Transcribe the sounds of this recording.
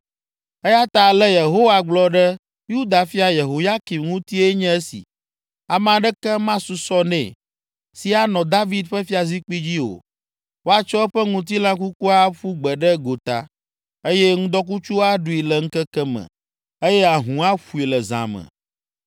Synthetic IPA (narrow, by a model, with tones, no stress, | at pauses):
e˦ja˦t̪a˨lɛ˦je˨ɦo˦wa˨ɡ͡blɔ˦ɖɛ˦ | ju˦d̪a˨fi˦a˨je˨ɦo˨ja˦ki˨mŋũ˦t̪i˦ɛ˦ɲɛ̃˦ɛ˦sḭ˨ | a˨m˦ã˨ɖɛ˦kɛ˦mã˦su˨sɔ˦nɛ̰̃˨ | si˦a˦nɔ̃˨d̪a˦vi˨d̪ɸə˦fi˦a˨zi˦k͡pi˦d͡ʑi˦o̰˨ | wo˦a˦t͡ʃɔ˦ɛ˦ɸɛ˦ŋũ˦t̪̬i˦lã˦k̬u˦ku˦a˦ɸu˦ɡ͡bɛ˨ɖɛ˦ɡo˨t̪a̰˨ | e˦jɛ˦ŋũ˦d̪ɔ˦k̬u˦t͡ʃu˦a˦ɖu˦i˨lɛ˨ŋ̩˦kɛ˦kɛ˦mə̰̃˨ | e˦jɛ˦a˨ɦũ˨a˦ɸu˨i˨lɛ˨zã̰˨mə̰̃˨